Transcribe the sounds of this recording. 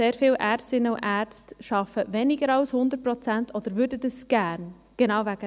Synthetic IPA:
seːɾfɪːlʔɛɾt͡sstɪnoʊʔɛɾt͡stʃɑfəveːnɪɡəɾɑlshʊnd̪ət̚prɔt͡sɛntʰod̥̪əɾvʏɾdədəsɡ̥æn | ɡ̥ɛnawvæɡ̥ə

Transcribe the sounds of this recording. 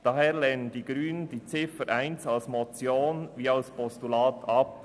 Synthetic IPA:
d̥ɑɦeːɾlɛːnənd̥iːɡɾyːnənd̥iːt͡sɪfəɾʔæɪnsɑlsmɔt͡sjoːnʋiːɑlspɔstulɑːtʰɑp

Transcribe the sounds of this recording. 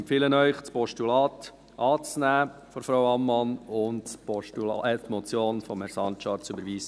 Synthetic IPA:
ɛmpfiːlənœʏχt͡spɔʃtulɑːt | ʔɑːt͡snæːfɔɾfɾaʊɑmːɑnʊntt͡spɔʃtulɑʔtmɔt͡sjoːnfɔməɾsɑntt͡ʃɑːɾtt͡sybəɾʋiːsə

